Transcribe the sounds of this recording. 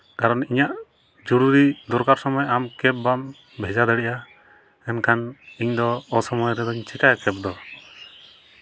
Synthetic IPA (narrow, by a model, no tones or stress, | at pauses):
kaɾɔniɲaʔ | d͡ʒɔɾuɾid̪ɔɾkaɾsɔmɔjamkɛp̚bam | bʱɛd͡ʒad̪əɽɛʔa | ɛnkʰaniɲd̪ɔːsɔmɔjɾɛd̪ɔiɲt͡ʃɛkajakɛp̚d̪ɔ